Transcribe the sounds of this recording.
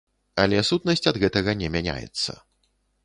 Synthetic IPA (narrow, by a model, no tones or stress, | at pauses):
ɐlʲɛsut̪nɐsʲt͡sʲɐd̪ɣɛt̪ɐɣɐnʲɛmʲænʲa̰jɛ̰t̪sːɐ̰